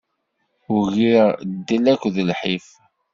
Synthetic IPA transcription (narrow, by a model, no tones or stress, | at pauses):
ʊʝd̪ːilækʷːðəlħif